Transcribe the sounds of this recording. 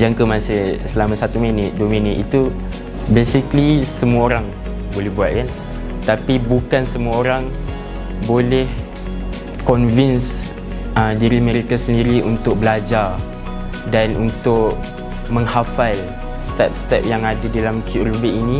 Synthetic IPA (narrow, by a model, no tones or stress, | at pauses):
d͡ʒaŋkəmasɪhsəlamãsat̪uminɪt̪̚duəmĩnɪt̪it̪u | besiklisəmuaoɾaŋ | bolɛhbuat̪̚kan | t̪apibukansəmuaoɾaŋ | bolɛh | kɔnvins | ədiɾiameɾikasəndiɾiʔunt̪ʊk̚bəlad͡ʒar | danunt̪ʊʔ | mə̃ŋhafal | st̪ɛp̚st̪ɛp̚jaŋadadalamkʰjuʔrubiʔinĩ